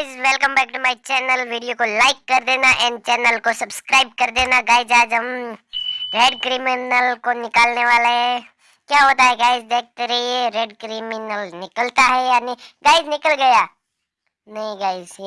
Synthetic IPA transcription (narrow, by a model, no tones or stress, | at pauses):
ɪzʋɛlkəmbɛːk̚ʈumaːɪt͡ʃɛːnəlʋiːɖijokolaːɪkːɐɾd̪eːnaʔɛ̃ːnɖ̚t͡ʃɛːnəlkosɐbskɾaːɪb̚kɐɾd̪eːnaɡaːɪzaːd͡ʒɦɐ̃m | ɾeːɖkɾimɪnəlkonɪkaːlneʋaːlaɦɛ | kjaːɦoːt̪aɦɛɡaːɪzd̪eːk̚ʰt̪eɾɐɦiɦɛɾeːɖkɾimɪnəlnɪkəlt̪aɦɛjanɪɡaːɪznɪkəlɡɐjaː | nɐɦĩɡaːɪz